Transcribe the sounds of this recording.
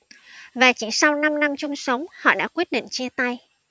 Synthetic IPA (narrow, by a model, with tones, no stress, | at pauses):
vaː˨˩t͡ɕi˧˦ŋsa˧wna˧mna˧mt͡ɕʊ˧ŋ͡msə˨˦wŋ͡mhɔ̰˧˨ɗa̰ː˧˥kwi˦˥t̚ɗḭ˧˨nt͡ɕi˧ət̪a˧j